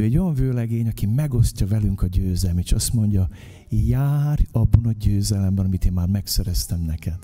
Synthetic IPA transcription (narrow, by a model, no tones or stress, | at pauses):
øːɛɟːo̞jɒɱvøːlɛɡeːɲɒkimɛɡo̞scɒvɛlyŋkɒɟøːzɛlmeːʃɒst̪mo̞ɲɟɒ | jaːrɒbːɒnɒɟøːzɛlɛmbɛnɒmit̪eːmːaːrmɛksɛɾɛst̪ɛmnɛkɛd̪